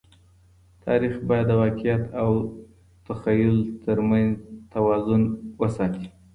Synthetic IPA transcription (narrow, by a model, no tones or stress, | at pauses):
t̪ʰɑɾixbɑjad̪ːəwɑqɪjat̪ʰaw | t̪axɑjʊlt̪ʰəɾmanzt̪awɑzʊnwəsɑt̪i